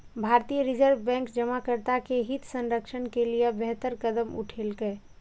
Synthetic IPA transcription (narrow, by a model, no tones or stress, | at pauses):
bʱaːɾt̪ijəɾɪd͡ʒəɾʋbɛ̃ːŋksd͡ʒəmakəɾt̪akeɦɪt̪sə̃nɾəkʃənkeliebɛɦt̪əɾkəd̪əmʊ̰ʈʰeːlɡəe